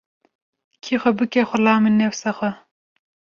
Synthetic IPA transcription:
kʰixʷɛbɨkɛxʷʊlɑːminɛwsaxʷɛ

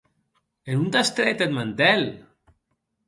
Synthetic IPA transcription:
enund̪ast̪ɾɛt̪ed̪mant̪ɛl

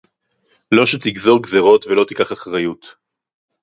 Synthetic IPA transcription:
lo̞ʃet̪iɡzoʁɡzeʁo̞t̪velo̞t̪ikaχaχʁajut̪

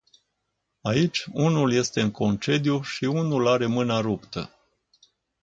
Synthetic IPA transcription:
ait͡ʃʲunulje̞st̪e̞ɨŋko̞nt͡ʃe̞d̪juʃiunulaɾe̞mɨnaɾupt̪ə̰

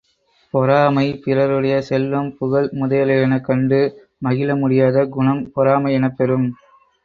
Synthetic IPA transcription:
pɔɾaːmɐɪpɪrɐɾɯɽɐjɐsɛlʋɐmpʊɣɐɭmʊðɐjɐlɐjɐnɐkːɐɳɖɯ | mɐɣɪlɐmʊɽɪjaːðɐɡʊɳɐmpɔɾaːmɐɪɛnɐpːɛɾɯm

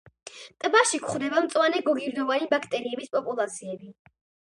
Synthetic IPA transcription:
t̪ʼbaʃikʰχd̪ɛbamt̪sʼwanɛɡɔɡiɾd̪ɔvanibakʰt̪ʼɛɾiɛbispʼɔpʼulˠat̪sʰiɛbi

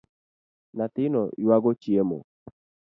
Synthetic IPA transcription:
nat̪ɪnɔʔiwaɡot͡ʃiemo̰

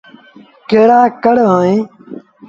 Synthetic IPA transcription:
keːɽaːkəɽʋãːẽː

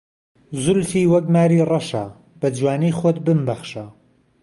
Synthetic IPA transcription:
zʊlfiːwɐk̚maːɾiːrɑʃa̰ | b̥ɐd͡ʒwaːnijxot̪bɨmbɐχʃa

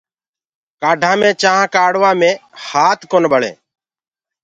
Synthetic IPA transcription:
kaːɖʱãːmẽːt͡ʃaːɦãːkaːɽʋãːmẽːhaːt̪koːnbʱəɭḛː

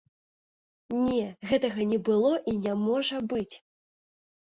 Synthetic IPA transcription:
nʲɛɣɛt̪ɐɣɐnʲɛbɨlˠɔʔinʲamɔʐɐbɨt͡sʲ

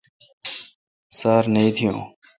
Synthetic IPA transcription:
saːɾnəĩːt̪ʰɪjõː

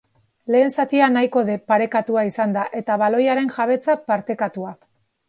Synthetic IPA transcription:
le̞ːnsat̪ianajko̞ðe̞paɾe̞kat̪uaisand̪aʔe̞t̪aβalo̞jaɾe̞nʝaβ̞e̞t͡sapaɾt̪e̞kat̪ua

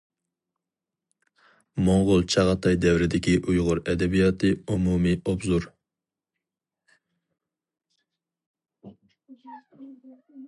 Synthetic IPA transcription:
moŋʁʊlˠt͡ʃʰɑʁɑt̪ʰɑjd̪ɛwɾɪd̪ɪkʲiʔujʁʊɾɛd̪ɛbijɑt̪ʰɨumumiʔobzuɾ

